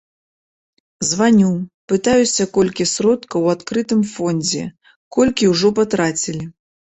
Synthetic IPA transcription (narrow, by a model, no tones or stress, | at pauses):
zvanʲupɨt̪ajusʲɐkɔlʲkʲisɾɔt̪kɐwat̪kɾɨt̪ɨmfɔnʲd͡zʲɛ | kɔlʲkʲiwʐɔpat̪ɾat͡sʲilʲi